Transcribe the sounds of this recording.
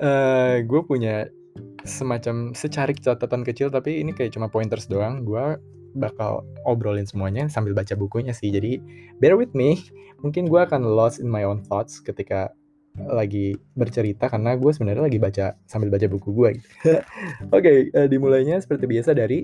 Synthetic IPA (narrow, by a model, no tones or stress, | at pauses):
ʔəːɡuapuɲa | səmat͡ʃamsət͡ʃaɾikə̥t͡ʃat̪at̪ankət͡ʃɪlt̪apiːnikajaʔt͡ʃumapɔiɪnt̪ərsədoaŋɡua | baka̰lɔbɾolɪnsəmuaɲasambɪlbat͡ʃabukuɲasɪhd͡ʒadibɛrwɪt̪̚mimuŋkɪnɡuaːkanlɔsɪnmajonklɔt̪skət̪ika | laɡibərt͡ʃəɾit̪akarnaɡuas̬əbənarɲalaɡibat͡ʃasambɪlbat͡ʃabukuɡuaɡit̪u | okeəːdimulajɲasə̥pərt̪ibiasadaɾi